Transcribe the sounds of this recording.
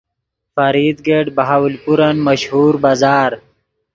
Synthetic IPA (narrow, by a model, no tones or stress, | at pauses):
faɾid̪ɡeɖbaɦaːwlpuɾanmaʃhuːɾbaːzaːɾ